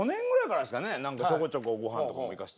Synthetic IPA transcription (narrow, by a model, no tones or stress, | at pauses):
onẽ̞ŋɡɯɾaikaɾad̪esɨ̥kanenãŋkat͡ɕokot͡ɕokoɡo̞ɦãntoka̰moikaɕi̥t̪